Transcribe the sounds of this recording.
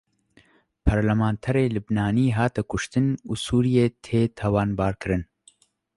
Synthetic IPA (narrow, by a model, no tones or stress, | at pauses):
pʰɐɾlɐmãːnt̪ʰɛɾeːlubnaːniːɦaːt̪ɛkʰʊʃt̪ɨnuːsuːɾijeːt̪ʰeːt̪ʰɛwaːnbaːɾkɨɾɨn